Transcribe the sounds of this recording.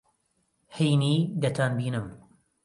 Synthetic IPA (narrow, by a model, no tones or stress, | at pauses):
hejniːd̪ɐt̪ʰaːnbiːnɨm